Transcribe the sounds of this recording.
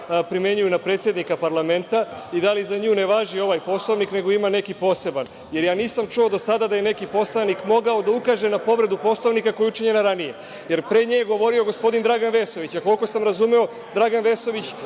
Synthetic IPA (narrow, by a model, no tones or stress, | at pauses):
pɾime̞ɲujunapɾe̞ːt̪sje̞d̪nikapaɾlˠame̞nt̪aid̪alizaɲuːneʋaʒio̞ʋaːjpo̞slˠo̞ʋnikne̞ɡo̞imane̞kipo̞ːse̞ban | je̞ɾjaːniːsamt͡ʃuo̞d̪osad̪ad̪aje̞nekipo̞slˠanikmo̞ɡao̞d̪aukaːʒe̞napo̞ʋɾe̞d̪upo̞slˠoʋnikako̞jeut͡ʂiɲenaɾanije̞ | je̞ɾpɾe̞ɲejɡo̞ʋo̞ɾio̞ɡo̞spo̞d̪ind̪ɾaɡanʋe̞so̞ʋit͡ɕakolko̞samɾazumeo̞ | d̪ɾaɡanʋe̞so̞ʋit͡ɕ